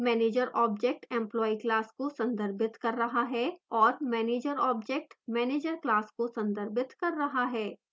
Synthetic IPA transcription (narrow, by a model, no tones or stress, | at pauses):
mɛːneːd͡ʒəɾʔɔːbd͡ʒɛk̚ʈɛ̃mplɔːiklaːskosɐ̃nd̪əɾbɪt̪kɐɾːɐɦaɦɛɔːɾmɛːneːd͡ʒəɾɔːbd͡ʒek̚ʈmɛːneːd͡ʒəɾklaːskosɐ̃nd̪əɾbɪt̪kɐɾːɐɦaɦɛː